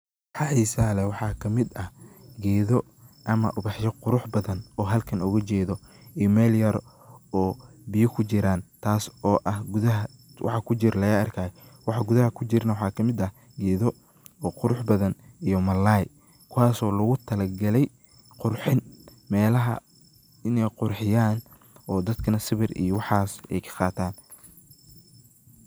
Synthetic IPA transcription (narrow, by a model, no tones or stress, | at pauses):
ħɑħiːsalɛwɑħɑːkʰɐmɪd̪ɐhɡɛːðɔ | ʔɐmɐ̰ʔʊβɑħʃɛqʊɾʊħbɐðɐnɔːɦɐlkʰɐnʊɣɐt͡ʃɛːðɔimɛːljɐɾ | ɔːbɪjɔkʰʊt͡ʃɪɾaːnt̪ʰaːsɔːʔɐhɡʊðɐɦɐ | wʔɑ̰ħɑkʰʊt͡ʃɪɾlɐjɐɐrkʰaːjwɑħɑɡʊðɐɦɐkʰʊt͡ʃɪrnɐwɑħɑːkʰɐmɪd̪ɐh | ɡɛːðɔ | ɔːqʊɾʊħbɐðɐnijɔmɐlːaːj | kʰʊwaːsɔːlɐɣʊt̪ʰɐlɐɡɐlɛj | qʊrħɪn | mɛːlɐɦɐ̰ | ɪnɛjqʊrħɪjaːn | ɔːd̪ɐd̪kʰɐnɐsɪβɪrḭjɔwɑħɑːsɛ̰jkʰɐ̥qɑːt̪ʰaːn